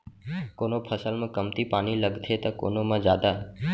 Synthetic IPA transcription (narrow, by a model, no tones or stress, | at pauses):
koːnopʰəsəlmẽkəmt̪ipaːniləɡt̪ʰet̪ɐko̰ːnomə̃d͡ʒjaːd̪aː